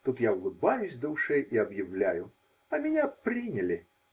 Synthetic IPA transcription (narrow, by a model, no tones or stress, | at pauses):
t̪ut̪jawɡubajusʲd̪ɐwʂɛjʔiɐbjɪwlʲajʊ | ɐmʲɛnʲɛpɾɨnʲɐlʲi